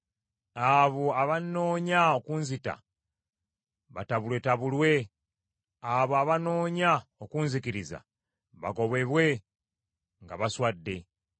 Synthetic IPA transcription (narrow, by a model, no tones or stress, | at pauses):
aβoaβano̞ːɲaokunzita̰ | βataβulwe̞taβulwe̞ | aβoaβano̞ːɲaokunzikiɾiza̰ | βa̰ɡo̞βe̞βwe̞ | ŋɡaβaswadːe̞